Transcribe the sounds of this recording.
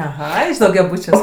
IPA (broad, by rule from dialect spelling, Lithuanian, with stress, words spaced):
ɐˈɣɐ ɪʃ dɐʊɡʲɛˈbuːt͡ʃʲuɔs